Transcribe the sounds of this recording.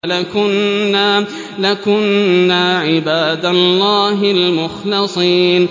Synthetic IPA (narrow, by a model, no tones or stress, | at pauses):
lakʊnːa | lakʊnːaːʕɪbaːd̪alːɑːɦɪlmʊxlɑsˤiːn